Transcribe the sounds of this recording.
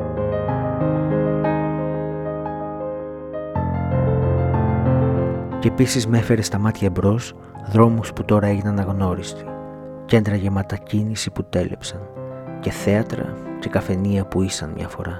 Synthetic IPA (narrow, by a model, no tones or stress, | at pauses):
ceepisizme̞fe̞ɾe̞st̪ɐmɐt̪çɐebɾo̞s | ðɾo̞musput̪o̞ɾɐe̞ʝinɐnɐɣno̞ɾist̪i̥ | ce̞nd̪ɾɐʝemɐt̪ɐcinisiput̪e̞lʔe̞̰psɐnce̞θe̞ɐt̪ɾɐ̰ce̞kɐfe̞niɐpuisɐnmɲɐ̰fo̞̰ɾɐ